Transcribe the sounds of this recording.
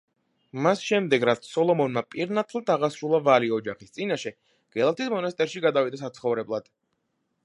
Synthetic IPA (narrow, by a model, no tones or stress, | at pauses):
masʃɛmd̪ɛɡɾat̪sʰsɔlˠɔmɔnmapʼiɾnat̪ʰlˠat̪aʁasɾulˠavaliɔd͡ʒaχist̪sʼinaʃɛ | ɡ̥ɛlˠat̪ʰismɔnast̪ʼɛɾʃiɡad̪avid̪asat̪sʰχɔvɾɛblˠad̪̥